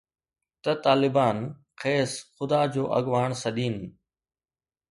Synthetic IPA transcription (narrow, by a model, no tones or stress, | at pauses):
t̪ɐt̪aːlɪbaːn | xeːsxʊd̪aːd͡ʑoːʔɐ̰ɠʋaːɽ̃sɐɗiːn